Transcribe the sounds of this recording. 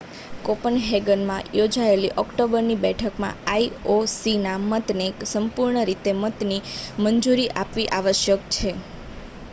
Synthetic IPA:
kopənɦeɡənmãjod͡ʒaeliʔɔkʈobəɾnibɛʈʰəkmã̰aiosinamət̪neksəmpuɾɳəɾit̪emət̪niməɲd͡ʒuɾiʔapʋiʔaʋəʃjəkt͡ʃʰe

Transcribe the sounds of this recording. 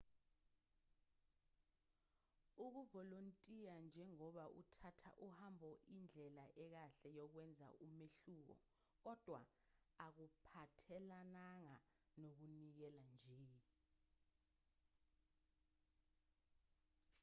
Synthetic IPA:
uk̬uvɔlontʼijand͡ʒʱɛŋɔɓaʔṵtʰatʰa̰ʔuhambʱɔʔind͡ɮʱɛlaʔɛk̬aɬɛjɔk̬wɛnd͡zʱa̰ʔumeɬuːk̬ɔ̰ | k̬ɔd̥ʱwa̰ | ak̬upʰatʰɛlanaŋa | nok̬unik̬ɛland͡ʒʱe

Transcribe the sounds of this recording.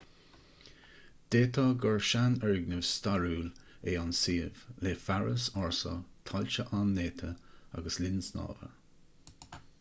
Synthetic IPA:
d̪̥eːt̪ʰɔɡɔɹʃanɛɹɡnəvst̪aɹuːl | eːansiːv̥leːfaɹəsɔɹsɔ̰t̪ʰalʲt͡ʃəʔanːeːt̪ʰəa̰ɡəslɪnsnɑ̰ːvə̰ɹ

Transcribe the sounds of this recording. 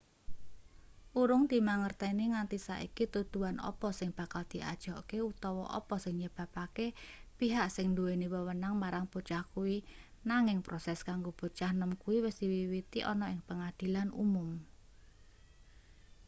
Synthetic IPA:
ʔuɾʊŋd̪̥i̤maŋərt̪ɛniŋant̪isa̰ʔḭkit̪ud̪̥uanʔɔ̰pɔsɪŋb̥a̤kald̪̥i̤ʔa̰d̥ʒ̥ɔkeut̪ɔwɔ̰ʔɔ̰pɔsɪŋɲəb̥a̤pakepiɦaʔsɪŋnd̪ueniwəwənaŋmaɾaŋpot͡ʃahkuwi | naŋɪŋpɾɔsɛskaŋɡob̥o̤t͡ʃahnəmkuwiwɪsd̪̥iwiwit̪iʔɔnɔɪŋpəŋad̪̥i̤lanṵmʊm

